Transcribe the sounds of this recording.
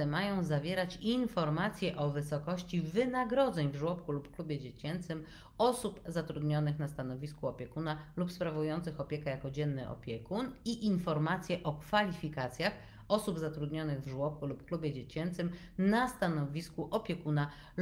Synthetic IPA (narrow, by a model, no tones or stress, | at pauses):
ɛmajɔ̃w̃zavʲjɛɾat͡ɕinfɔɾmat̪sʲjɛʔɔvɘsɔkɔɕt͡ɕivɘnaɡɾɔd̪zɛɲvʐwɔpkulupklubʲjɛd͡ʑet͡ɕɛnt̪sɘm | ɔsupzat̪ɾud̪ɲɔnɘxnast̪anɔvʲiskuɔpʲjɛkunalupspɾavujɔnt̪sɘxɔpʲjɛkajakɔd͡ʑɛnːɘʔɔ̰pʲjɛkuniʔinfɔɾmat̪sʲjɛʔɔkfalʲifʲikat̪sʲjax | ɔsubzat̪ɾud̪ɲɔnɘɣvʐwɔp̚kulupklubʲjɛd͡ʑet͡ɕɛnt̪sɘm | nast̪anɔvʲiskuʔɔpʲjɛkuna